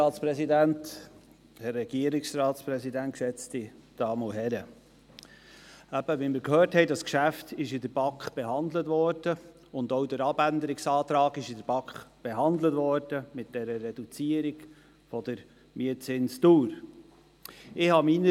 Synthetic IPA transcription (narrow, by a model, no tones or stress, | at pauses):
ɑːtspɾɛsidænt | hɛrːɛɡiəɾɪksɾɑːt̪spɾɛsidænt̚kʃɛt͡stid̪̥ɑːmoɦɛɾə | æb̥əʋimɪɾkhøːɾthɛɪdɑskʃæft̪ɪʃɪdəɾb̥ɑkχb̥eɦɑnd̪lətʋɔɾd̥ə | ʊnd̪owdəɾɑbænd̪əɾɪksɑːt̪ɾɑːɡɪʃɪd̥əɾb̥ɑkχb̥ɛɦɑnd̪lətʋɔɾd̥əmɪt̚d̥ɛɾərːɛd̥ut͡siəɾiɡ̥ | fɔd̪̥əɾ | miət͡sɪnstuːɾ | ɪhɑminə